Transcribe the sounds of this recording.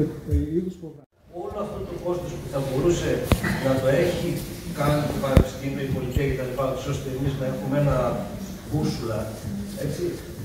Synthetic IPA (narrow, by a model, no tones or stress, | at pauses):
iðospo | o̞loɐft̪ot̪oko̞st̪o̞spuθɐbo̞ɾuse̞nɐt̪o̞e̞çikɐnit̪opɐnepi̥st̪imioipo̞liciɐce̞t̪ɐlipɐnot̪i̥so̞st̪eːmiznɐe̞xumee̞nɐ | kusulɐ | e̞t͡si